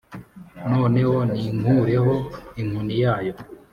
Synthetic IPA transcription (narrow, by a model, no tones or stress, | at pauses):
no̞ːne̞ho̞niŋuɾeɦo̞iŋ̥unijaːjo̞